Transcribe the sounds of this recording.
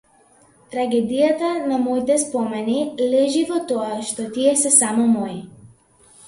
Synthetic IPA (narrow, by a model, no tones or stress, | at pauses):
t̪ɾaɡɛd̪ijat̪anamɔjt̪ɛspɔmɛnilɛʒivɔt̪ɔaʃt̪ɔt̪iɛsɛsamɔmɔi